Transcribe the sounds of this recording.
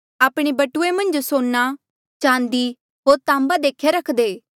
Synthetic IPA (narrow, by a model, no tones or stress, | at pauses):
aːpɽ̃ebɐʈʊemɐ̃nd͡ʒsoːnːa | t͡ʃãːnd̪i | ɦoːɾt̪ãːmbad̪eːkʰjeɾəkʰd̪eː